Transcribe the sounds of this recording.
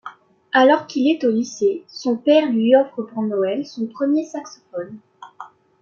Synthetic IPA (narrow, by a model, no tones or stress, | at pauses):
alɔʁkilɛt̪olisesɔ̃pɛʁlɥiɔfχəpuʁnɔɛlsɔ̃pχəmjesaksɔ̥fɔn